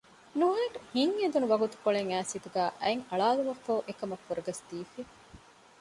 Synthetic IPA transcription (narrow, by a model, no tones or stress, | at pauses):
nuɦɐːʈuhiŋːed̪unuʋɐɡut̪u̥koɭeŋæːsit̪uɡæːʔɐeŋɐɭaːluʋɐfoːʔekɐmɐfːuɾɐɡɐsd̪̥iːfe